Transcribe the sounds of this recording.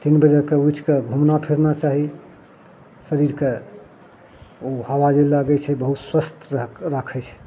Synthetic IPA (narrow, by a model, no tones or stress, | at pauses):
t̪inbəd͡ʒəkeut͡ʃʰkeɡʱumnapʰiɾnat͡ʃaɦi | səɾiɾke | ohawad͡ʒɛlaɡɛt͡ʃʰɛbəɦut̪swəst̪ɾakʰɛt͡ʃʰɛ̥